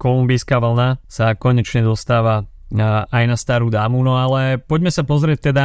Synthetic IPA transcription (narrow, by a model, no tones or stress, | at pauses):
kɔlumbiːskaːʋl̩nasakɔɲɛt͡ʃɲɛd̪ɔst̪aːʋa | ajnast̪aːɾuːd̪aːmunɔalɛpɔɟmɛsapɔzɾɪɛc̚t̪ɛd̪a